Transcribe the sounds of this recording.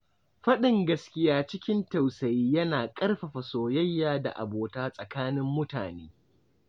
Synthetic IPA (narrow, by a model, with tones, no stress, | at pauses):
ɸɐ˦ɗɪ˨ŋɡɐ˦skʲɪ˦jaː˦t͡ʃɪ˦kʲɪ˦nta˨wsɐ˨jiː˦jɐ˦naː˨kʼɐ˦rɸɐ˨ɸɐ˨soː˨jɐ˦jːaː˨da̰˨ʔa̰˨boː˨taː˦sʼɐ˨kaː˦nɪ˦mːʊ˦taː˨neː˦